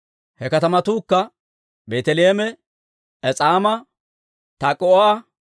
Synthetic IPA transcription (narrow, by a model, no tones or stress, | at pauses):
hɛkɐt̪ɐmɐt̪uːkːɐ | beːt̪ɛleːmɛ | ɛt͡sʼaːmɐ | t̪akʼɔoa